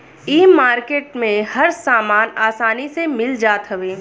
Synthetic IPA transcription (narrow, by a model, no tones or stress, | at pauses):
iːmaːɾkeːʈ̚mẽhɐɾsaːmaːnaːsaːnisemɪld͡ʒaːt̪ɦɐʋeː